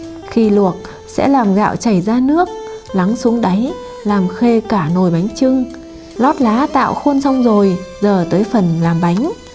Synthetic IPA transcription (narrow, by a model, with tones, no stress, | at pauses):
xi˧lu˨˩ət̚ | sɛ̰˧˥laː˨˩mɣa̰ː˧˨wt͡ɕa˧˩jzaː˧nɨ˦˥ək̚la˨˦ŋsu˨˦əŋɗa˨˦j | laː˨˩mxe˧kaː˧˩no˨˩jɓa˨˦jŋ̟t͡ɕɨ˧ŋ | lɔ˦˥t̚laː˨˦t̪a̰ː˧˨wxo˧nsa˧wŋ͡mzo˨˩jzəː˨˩t̪əː˨˦jfə˨˩nlaː˨˩mɓa˨˦jŋ̟